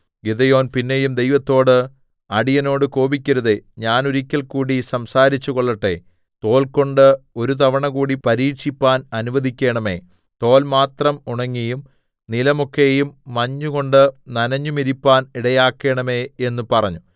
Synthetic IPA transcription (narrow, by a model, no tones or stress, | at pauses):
ɡiðɐjo̞ːnpinːe̞jumd̪e̞jʋɐt̪ːo̞ːɽɨ | ɐɽijɐno̞ːɽɨko̞ːbikʲːɐɾɐðeɲaːnuɾikʲːɐlkuːɽisɐmsaːɾit͡ɕːuko̞ɭːɐʈːe̞̰ | t̪o̞ːlko̞ɳɖɨo̞ɾut̪ɐʋɐɳɐɣuːɽipɐɾiːʈʂipːaːnɐnuʋɐðikʲːeːɳɐme̞̰ː | t̪o̞ːlmaːt̪rɐmuɳɐŋːijum | nilɐmokːe̞jumːɐɲːuɣo̞ɳɖɨnɐnɐɲːumiɾipːaːniɽɐjaːkːe̞ːɳɐme̞ːe̞nːupɐrɐɲːu